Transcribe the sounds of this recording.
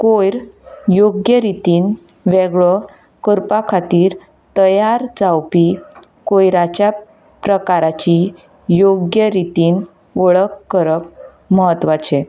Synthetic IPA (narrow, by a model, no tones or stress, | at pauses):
kojɾjoɡjəɾit̪iːn | ʋeɡɭə | kəɾpakʰat̪iːɾ | t̪əjaɾd͡zawpi | kojɾat͡ɕja | pɾəkaɾat͡ɕi | joɡjəɾit̪iːn | ʋəɭəkːəɾək̚ | məɦət̪ʋat͡ɕe